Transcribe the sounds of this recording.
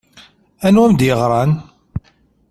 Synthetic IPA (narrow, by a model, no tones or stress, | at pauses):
ænwæmd̪jəʁɾˤɑn